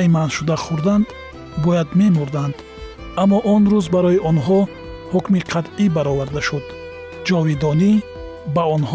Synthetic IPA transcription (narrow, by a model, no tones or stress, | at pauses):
imanʃud̪aχuɾd̪and̪ | bɔjad̪me̞muɾd̪and̪ | amːɔʔɔnɾuzbaɾɔiʔɔnɦɔ | hukmiqʰat̪ʔibaɾɔvaɾd̪aʃud̪ | d͡ʒɔvid̪ɔni | baɔnh